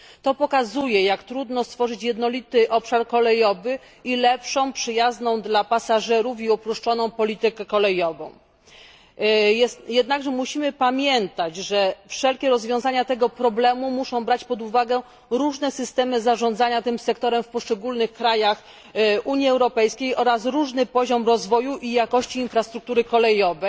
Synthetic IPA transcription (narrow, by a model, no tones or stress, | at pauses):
t̪ɔpɔkazujɛjakt̪ɾud̪nɔst̪fɔʐɘt͡ɕjɛd̪nɔlʲit̪ɘʔɔpʂaɾkɔlɛjɔvɘ | ilɛpʂɔ̃w̃pʂɘjaznɔ̃w̃d̪lapasaʐɛɾufiupɾuʂt͡ʂɔnɔ̃w̃pɔlʲit̪ɘkɛkɔlɛjɔvɔ̰̃w̃ | jɛd̪naɡʐɛmuɕimɘpamʲjɛnt̪ad͡ʑʐɛfʂɛlkʲɛɾɔzvʲjɔ̃w̃zaɲat̪ɛɡɔpɾɔblɛmumuʂɔ̃w̃bɾat͡ɕpɔd̪uvaɡɛ | ɾuʐnɛsɘst̪ɛmɘzaʐɔ̃nd̪zaɲat̪ɘmsɛkt̪ɔɾɛmfpɔʂt͡ʂɛɡulnɘxkɾajax | ʔuɲiɛwɾɔpɛjskʲejʔɔɾasɾuʐnɘpɔʑɔmɾɔzvɔjuʔijakɔɕt͡ɕiːnfɾast̪ɾuk̚t̪uɾɘkɔlɛjɔvɛ